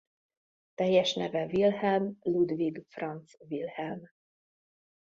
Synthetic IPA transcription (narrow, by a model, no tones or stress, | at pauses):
t̪ɛjːɛʃnɛvɛvilhɛlmlud̪viɡfrɑnt̪svilhɛlm